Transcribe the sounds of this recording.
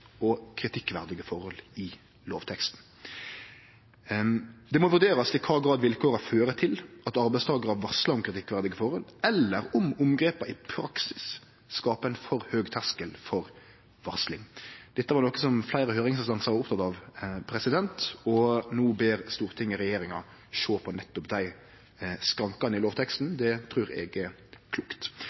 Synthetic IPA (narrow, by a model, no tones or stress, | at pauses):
ɔkʰɾɪt̪ʰɪkːʋæʁd̪ɪɡəfɔɾhɔlɪ | loːʋt̪ʰɛkst̪n̩ | d̪ɛmɔʋʉʁd̪eːɾɑsɪkʰɑːɡɾɑːd̪ʋɪlkʰoːɾɑføːɾət̪ʰɪlʔɑt̪ɑɾbæɪst̪ʰɑːɡəɾɑʋʋɔʁslɑɔmkʰɾɪt̪ʰɪkːʋæʁd̪ɪɡəfɔɾhɔlɛlːəɾɔmʊmɡɾeːpəɪpʰɾɑksɪ̥sː | kɑːpəæɪnfɔʁhøːɡt̪ʰæskəlfɔɾ | ʋɑʁslɪŋd̪̥ɛt̪ːəʋæɾnoːkəsɔmflæɪɾəhøːɾɪŋsst̪ɑnsɑʊpt̪ʰɑt̪ɑʋpʰɾɛsɪd̪ɛnt̪ɔnuːbeːɾst̪uːɾt̪ʰɪŋːəɾɛjeːɾɪŋɑ | ʃoːpʰɔnɛt̪ːɔpd̪æɪ | skɾɑŋkɑnɪloːʋt̪ʰɛkst̪n̩d̪ɛt̪ʰɾʉːɾɛ̰ɡə | kʰluːkt̪